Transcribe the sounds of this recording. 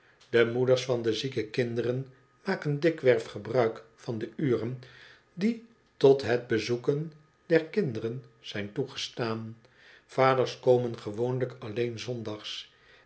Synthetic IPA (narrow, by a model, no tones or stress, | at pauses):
dəmudəɹsfɑndəzikəkɪndərən | maːkəndɪkʋɛɹfχəbrœɥkfɑndəyːrən | di | tɔtɦəd̚bəzukən | d̥ɛɹkɪndərənz̥ɛjntuχə̥staːn | v̥aːdəɹskowmənχəʋownləkɑlejnzɔndɑχs